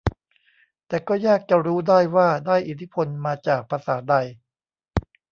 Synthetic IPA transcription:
t̪ɛː˨˩kɔː˥˩jaː˥˩k̚t͡ɕa˨˧ɾuː˦˥daː˥˩jwaː˥˩daː˥˩jʔi˨˩t̪ʰi˦˥pʰo˧nmaː˧t͡ɕaː˨˩k̚pʰa˧saː˩˦da˧j

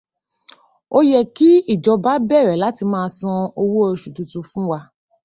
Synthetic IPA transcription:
o˦jɛ˨ki˦i˦˨d͡ʒɔ˧ba˦bɛ˦˨ɾɛ˨la˨˦ti˧mãː˦˧sɔ̃˧o˧wu˦o˧ʃu˨tu˨˧tu˧fũ˦wa˧

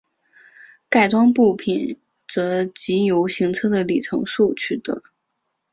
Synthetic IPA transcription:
ka˥˩ɪʈ͡ʂwɑ˥ŋpu˥˩pʰi˨˩n | t͡sɤ˧˥t͡ɕi˧˥jo˧˥ʊɕi˧˥ŋt͡sʰɤ˥d̪ə˨li˨˩ʈ͡ʂʰɤ̰˧˥ŋʂu˥˧t͡ɕʰy˥˩t̪ɤ̰˧˥˦

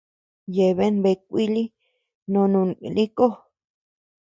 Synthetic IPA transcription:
je˨βe˦nbe˧k̚ʷi˦li˦ | nõ˧nũ˧nĩ˦ko˦

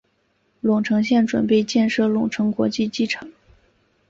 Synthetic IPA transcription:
lʊ˨˩ŋʈ͡ʂʰɤ˧˥ŋɕjɛ˥˩nʈ͡ʂwə̰˨˩np̬e˥˧ɪt͡ɕjɛ˥˧nʂɤ˥˩lʊ˨˩ŋʈ͡ʂʰɤ˧˥ŋkwɔ̰˧˥t͡ɕi˥˧t͡ɕi˥ʈ͡ʂʰɤ˧˥ŋ

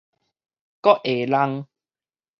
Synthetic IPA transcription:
kɔ˦˥ʔʔe˨la˧ŋ

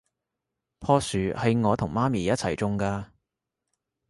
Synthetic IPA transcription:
pʰɔː˥syː˨˧hɐ˨˧jŋɔː˨˧t̪ʰʊ˨˩ŋmaː˥miː˨jɐ˥t̚t͡sʰɐ˨˩jt͡sʊ˧ŋkaː˧

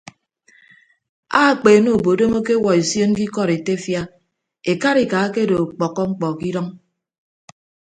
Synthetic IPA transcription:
a˦˨k͡peː˨no˨o˨bo˨do˦mo˦ke˦wɔ˨e˨sjo˦n˦ki˦kɔ˦˨ɾe˨te˦fja˦ | e˨ka˦ɾi˨ka˨˦ke˦do˨k͡pɔ˨kːɔ˦ŋ͡m̩˦k͡pɔ˨ki˦ɾɔ˦ŋ

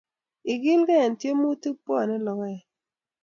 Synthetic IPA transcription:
i˨ɡi˦lɡɛ˦ɛ˨ntje˦mu˦ti˦pɔ˦˨nɛ˦lɔ˨ɡɔ˦ɛ˨

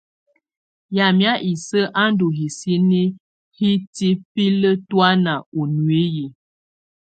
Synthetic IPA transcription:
ja˨mja˦ʔi˨sə˦ʔa˦n˦du˨ɦi˨si˦ni˦ | hi˦ti˦pi˦lə˦twa˦na˨o˨nwe˦ji˨

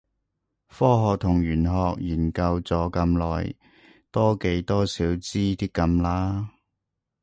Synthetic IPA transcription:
fɔː˥ɦɔː˨k̚t̪ʰʊ˨˩ŋjyː˨˩nɦɔː˧k̚jiː˨˩nkɐ˧wt͡sɔː˨˥kɐ˧mlɔ̰ː˨j | t̪ɔː˥ke˨˧˥jt̪ɔː˥siː˨˥wt͡siː˥t̪i˥kːɐ˧mlaː˥

